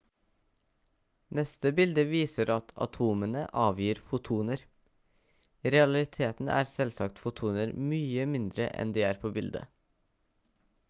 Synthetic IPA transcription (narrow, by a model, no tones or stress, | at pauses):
nɛst̪əbɪld̪əʋiːsəɾʔɑt̪ʰɑ̰t̪ʰuːmənəʔɑːʋjiːɾfʊt̪ʰuːnəɾ | ɾɛɑlɪt̪ʰeːt̪n̩æ̰ːɾsɛlsɑkt̪fʊt̪ʰuːnəɾmyːəmɪnd̪ɾə̰ʔɛ̰nd̪iːæːɾpʰoːbɪld̪ə̰